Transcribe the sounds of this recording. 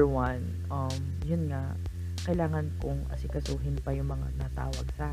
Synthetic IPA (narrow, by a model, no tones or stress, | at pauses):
wɐn | ʔɐ | m | jʊnŋa | kɐɪlaːŋɐnkʊŋʔɐ̰sɪkɐsuːɦɪnpɐjʊŋmɐŋa̰nɐt̪a̰ːwɐ̰ɡsa